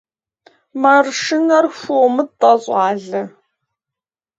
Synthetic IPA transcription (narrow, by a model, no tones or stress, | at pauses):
mɐrʂɪnɐrxʷoːmɨtʼɐɕʼɑːɮɐ